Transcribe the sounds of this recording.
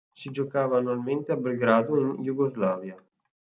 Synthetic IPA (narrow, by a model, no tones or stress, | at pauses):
sid͡ʒokaːvaːnːualment̪eabelɡɾaːd̪oinjuɡozlaːvja